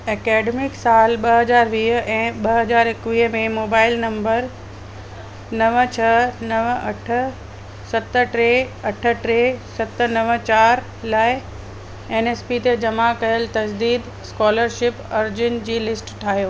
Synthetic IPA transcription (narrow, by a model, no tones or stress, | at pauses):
eːkɛːɖemɪksaːlɓɐɦɐzaːɾʋiːɦɛ̃ːɓɐɦɐzaːɾɪkʋiːɦmẽmoːbaːɪlnɐ̃mbəɾ | nɐʋt͡ɕʰɐnɐʋɐʈʰə̆ | sɐt̪ə̆ʈɾeɐʈʰə̆ʈɾesɐt̪ə̆nɐʋət͡ɕaːɾ | laːɪ | eːneːspit̪ed͡ʑɐmakɐjəlt̪ɐd͡ʑd̪iːd̪ | skɔːləɾʃɪpɐɾd͡ʑʊnɪ̆d͡ʑiːlɪsʈʈʰaːɦijoː